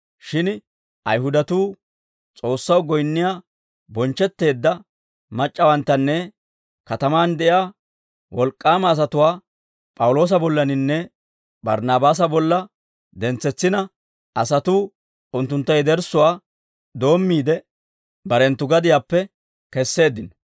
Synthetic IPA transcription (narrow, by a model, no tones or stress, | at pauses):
ʃɪn | ʔɐ̰jɦʊd̪ɐt̪uː | t͡sʼo̞ːsːɐwɡɔjnːɪjaː | bɔnt͡ʃːɛt̪ːe̞ːd̪ːɐ | mɐt͡ʃʼːɐwɐnt̪ːɐnːɛ | kɐt̪ɐmaːnd̪ɛʔjaː | wɔlkʼːaːmɐːs̬ɐt̪ʊwaː | pʼɐwʊlo̞ːs̬ɐbɔlːɐnɪnːɛ | bɐ̰ɾnaːbaːs̬ɐbɔlːɐ | d̪ɛnt͡sːɛt͡sːɪnɐ | ʔɐsɐt̪uː | ʊnt̪ːʊnt̪ːɐjd̪ɛɾsʊwaː | d̪o̞ːmːiːd̪ɛ | bɐɾɛnt̪ːʊɡɐd̪ɪjaːpːɛ | kɛsːe̞ːd̪ːɪnɔ